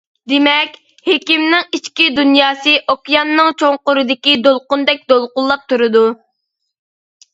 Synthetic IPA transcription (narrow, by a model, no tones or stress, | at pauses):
d̪emɛkʲ | hekʲimnɪŋit͡ʃkʲid̪unjɑːsɨʔokʲjɑnːɨŋt͡ʃʰoŋqʊɾɨd̪ɪkʲid̪olˠqʊnd̪ɛk̚ʲd̪olˠqʊnlˠɑp̚t̪uɾɨd̪u